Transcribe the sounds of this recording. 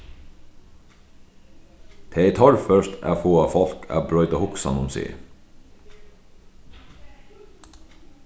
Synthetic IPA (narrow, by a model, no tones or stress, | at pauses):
t̪ʰeːit̪ʰɔɹfœʃt̪æ̰ːfoːɑfɔlkʰæ̰ːbɹœʏt̪ɑːhʊksɑ̰nʊmsḭː